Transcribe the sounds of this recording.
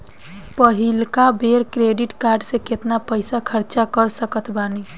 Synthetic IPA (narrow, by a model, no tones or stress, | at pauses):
pəɦilkabeɾkɾeɖiʈkaɾɖsẽket̪napəɪsakʰəɾt͡ʃakəɾsəkət̪bani